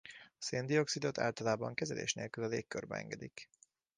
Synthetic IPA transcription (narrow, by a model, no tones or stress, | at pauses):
ɒseːnd̪io̞ksid̪o̞t̪a̰ːlt̪ɒlaːbɒŋkɛzɛlḛːʃneːlkylɒleːkːørbɛɛ̰ŋɡɛd̪ik